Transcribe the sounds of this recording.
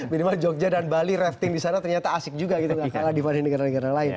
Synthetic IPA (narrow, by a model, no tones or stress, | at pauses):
minimad͡ʒɔk̚ɲadanbaliɾɛft̪ɪŋdisanat̪ərɲat̪aːsɪk̚d͡ʒuɡaɡit̪uɡaaladipanɪnəɡaɾanəɡaɾalaɪn